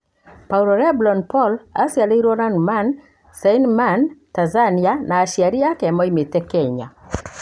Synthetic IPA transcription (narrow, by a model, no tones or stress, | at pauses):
pauɾɔɾɛblɔnpɔlasjaleɾɔɾanman | sɛjnmantanzanianaːʃiaɾijakɛmɔimetɛkɛɲa̰